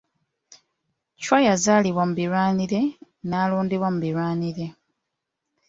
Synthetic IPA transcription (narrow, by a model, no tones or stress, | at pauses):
cwajazaːliβwamuβiɾwaːniɾe̞ | naːluːndiwamuβiɾwaːniɾe̞